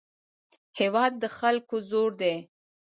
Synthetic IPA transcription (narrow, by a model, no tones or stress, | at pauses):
hewɑd̪̚ːəxalkozoɾd̪e